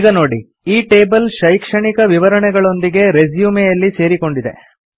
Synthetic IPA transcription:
ɡɐno̞ːɽi | iːʈe̞ːbɐlʃɐjkʂɐɳikɐʋiʋɐɾɐɳɛɡɐɭo̞nd̪iɡe̞ɾe̞zjuːmejɐlːise̞ːɾiko̞ɳɖid̪e̞̰

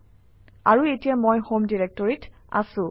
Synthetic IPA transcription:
aɹuetijamojhomdiɹɛk̚tɔɹit | a̰sʊ̃

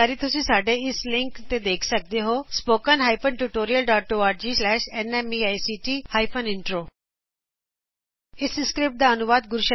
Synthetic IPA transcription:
aɾit̪ʊsĩsaːɖʱeɪslɪ̃ŋkt̪ed̪eːkʰsɐk̚d̪eɦospoːkənɦaːjpʰəɳʈuʈoːɾijəlɖaːʈoːaːɾd͡ʑiːslɛːʃenemiaːjsiːʈiːhaːjpʰənɪɳʈɾoː | ɪsskɾɪp̚ʈ̚d̪aɐnʊʋaːd̪ɡʊɾuʃə

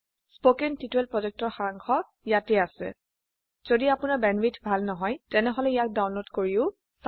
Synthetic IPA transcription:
spokentituɛlpɹɔzɛk̚tɔɹxaaŋxʰɔ | ijatɛasɛ̰ | z̥odiapʊnabɛnbitʰbʱalnɔɦɔjtɛnɛɦɔlɛijak̚dawnlotkoɹiʊ | s

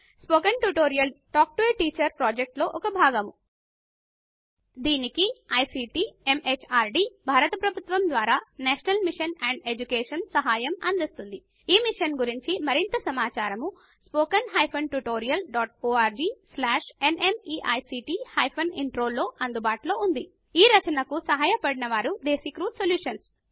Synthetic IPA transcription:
spoːkɐnʈuʈoːɾijɐlʈaːk̚ʈʋeːʈiːt͡ʃɐɾpɾoːd͡ʒek̚ʈlo̞ːʔɔkɐbʱaːɡɐmu | d̪iːnikiɐjsiːʈiːemet͡ʃʰaːɾɖiːbʱaːɾɐt̪ɐpɾɐbʱut̪ʋɐmd̪ʋaːɾaːnɛːʃɐnɐlmiʂɐnɛːɳɖe̞d͡ʒukeːʂɐnsɐɦaːjɐmɐnd̪ist̪und̪i | iːmiʂɐnɡuɾiɲt͡ʃimɐɾint̪ɐsɐmaːt͡ʃaːɾɐmu | spoːkɐnɦɐjpʰɐnʈuʈoːɾijɐlɖaːʈ̚oːaːɾd͡ʒiːslaːʂe̞ne̞miːʔɐ̰jsiːʈiːhɐːjpʰɐniɳʈɾo̞ːlːo̞ːʔɐnd̪ubaːʈlo̞ːund̪i | iːɾɐt͡ʃɐnɐkusɐɦaːjɐpɐɽinɐʋaːɾud̪eːsikɾuːd̪soljuːʂɐns

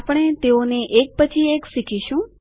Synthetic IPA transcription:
apɽ̃et̪eoneʔek̚pət͡ʃʰieksikʰiʃũ

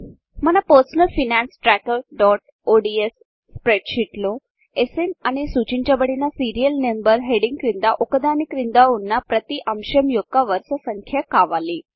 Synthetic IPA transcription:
m̤ənapəɾsənəlfinænsʈɾækəlɖɔʈ̚ | oɖiesː | pɾeɖɕiʈlo | esenañisut͡ɕiɲt͡ɕjabəɽinasiɾijəlnembəɾɦeɽiŋɡkɾind̪aʔokəd̪anikɾind̪aunːapɾət̪iʔəmɕəmjokːaʋəɾsəsəŋkʰjakaʋaliː

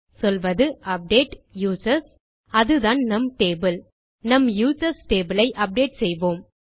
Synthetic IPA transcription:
sɔlʋɐðɯʔɐp̚ɖeːʈjuːsɐɾs | ɐðɯðaːnnɐmʈeːbɯl | nɐmjuːsɐɾsʈeːbɪlɐɪʔɐp̚ɖeːʈsɛjʋoːm

